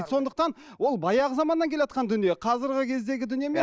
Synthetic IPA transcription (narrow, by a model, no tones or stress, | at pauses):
t̪so̞nd̪əq̚t̪ɑnwo̞lˠbɑjɑʁəzɑmɑnːɑŋkʲʰelejɑt̪̚qʰɑnd̪ʏnije̞qʰɑzɪɾʁɪkʲʰe̞zd̪e̞ɡʲɪd̪ʏnijeme